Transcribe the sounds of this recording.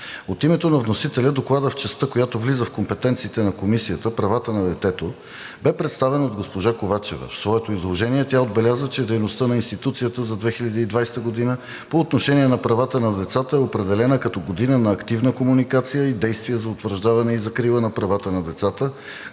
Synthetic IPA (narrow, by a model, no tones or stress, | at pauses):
ot̪imɛt̪onɐvnosit̪ɛlʲəd̪oklˠad̪əft͡ʃɛst̪ɤkojat̪ovlizəfkompɛt̪ɛnt̪siːt̪ɛnɐkomisijət̪əpɾɐvat̪ənɐd̪ɛt̪ɛt̪o | bɛpɾɛt̪st̪avɛnod̪ɡospoʒakovat͡ʃɛ̰vɐ̰fsvɔɛt̪oizlˠoʒɛniɛt̪ʲjaod̪̚bɛlʲazət͡ʃɛd̪ɛjnost̪ənɐinst̪it̪ut̪sijət̪əzɐd̪vɛxilʲɐd̪iːd̪vajst̪əɡod̪inə | poːt̪noʃɛniɛnɐpɾɐvat̪ənɐd̪ɛt̪sat̪əɛopɾɛd̪ɛlɛnəkɐt̪ɔɡod̪inənɐːkt̪ivnəkomunikat̪sijəid̪ɛjst̪vijɛzɐot̪vəɾʒd̪avɐnɛizɐkɾilˠənɐpɾɐvat̪ənɐd̪ɛt̪sat̪ə